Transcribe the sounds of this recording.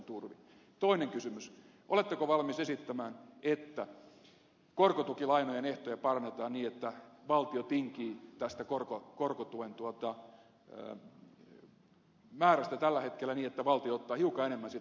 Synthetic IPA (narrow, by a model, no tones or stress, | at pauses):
nt̪urʋi | t̪oineŋkysymys | ʔolet̪ːekoʋɑlmisesit̪ːæmæːnʔet̪ːæ | korkot̪ukilɑinojeneht̪ojɑpɑrɑnːet̪ɑːnniːet̪ːæʋɑlt̪iot̪iŋkiːt̪æst̪ækorkokorkot̪uent̪uot̪ɑ̰ | mæːɾæst̪æt̪ælːæhet̪kelːæniːet̪ːæʋɑlt̪ioot̪ːɑːhiukɑenemːænsi